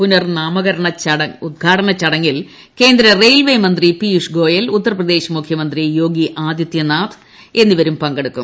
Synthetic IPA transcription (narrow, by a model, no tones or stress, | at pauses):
punɐrnaːmɐɣɐɾɐɳɐt͡ɕɐɽɐud̪̚ɡʱaːʈɐɳɐt͡ɕːɐɽɐŋːil | ke̞ːnd̪ɾɐrejlʋejmɐnd̪ripijuʂɡo̞ːjɐlut̪ːɐrɐprɐd̪e̞ːɕɐmukʰjɐmɐnd̪rijo̞ːɡiʔaːd̪jɐt̪jɐnaːt̪ʰ | e̞nːiʋɐɾumpɐŋɡɐɽukːum